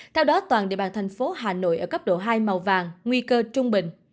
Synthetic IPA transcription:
t̪ʰɛ˧wɗɔ˨˦t̪waː˨˩nɗḭ˧˨ɓaː˧˨nt̪ʰa˨˩jŋ̟fo˨˦ɦaː˨˩no̰˧˨jʔəː˧˩kə˦˥p̚ɗo̰˧˩ɦaː˧jma˨˩wvaː˨˩ŋːŋwi˧kəː˧t͡ɕʊ˧ŋ͡mɓï˨ŋ̟

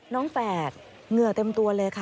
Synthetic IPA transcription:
nɔː˦˥ŋfɛː˨˩t̪̚ | ŋɯ˨˩ət̪e˧mt̪u˧ɐlɤː˧jkʰa˦˥˩

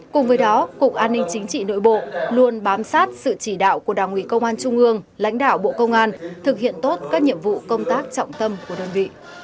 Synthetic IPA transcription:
kʊ˨˩ŋ͡mvəː˨˦jɗɔ˨˦kʊ̰˨˩k̚ʔaː˧nːï˧ŋ̟t͡ɕï˨˦ŋ̟t͡ɕḭ˧˨no̰˧˥˨jɓo̰˧˨lu˧ənɓaː˨˦msaː˦˥t̚sɨ̰˧˨t͡ɕi˧˩ɗa̰ː˧˨wku˧˩əɗaː˨˩ŋʔwi˨˩˦kə˧wŋ͡mʔaː˧nt͡ɕʊ˧ŋ͡mʔɨ˧əŋla̰˧˥jŋ̟ɗaː˧˨wɓo̰˧˨kə˧wŋ͡mʔaː˧nt̪ʰɨ˨˩k̚hḭ˧˨ənt̪o˦˥t̚kaː˦˥k̚ɲḭ˧˨əmvṵ˧˨kə˧wŋ͡mt̪aː˦˥k̚t͡ɕɔ̰˧˨wŋ͡mt̪ə˧mku˧˩əɗəː˧˩nvḭ˧˨

